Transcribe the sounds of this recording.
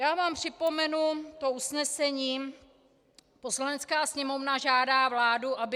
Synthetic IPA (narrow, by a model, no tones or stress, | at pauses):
jaːvaːmpr̝̥ɪpo̞mɛnut̪o̞usnɛsɛɲiː | po̞slanɛt͡skaːsɲɛmo̞vnaʒaːdaːvlaːduʔabɪ